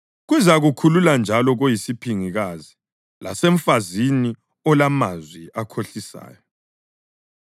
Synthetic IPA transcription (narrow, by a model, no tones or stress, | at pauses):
ɣuzaɣukʰululand͡ʒʱalɔɣojisipʰiŋiɣazi | la̰sɛɱfazini | ɔlamazwiakʰoɬisa̰ːjɔ